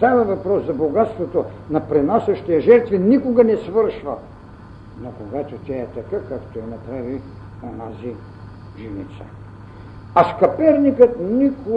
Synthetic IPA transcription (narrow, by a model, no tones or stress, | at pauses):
t̪avɐvɐpɾɔszɐboɡat̪st̪vot̪o | nɐpɾɛnasɛʃt̪iɐʒɛɾt̪vinikoɡɐnɛsvəɾʃvɐ | nokoɡat̪ot̪ʲaɛt̪ɐkakakt̪oɛnɐpɾavi | onazi | ʒinḭt̪sə̥̰ | ɐskɐpɛɾnikət̪niko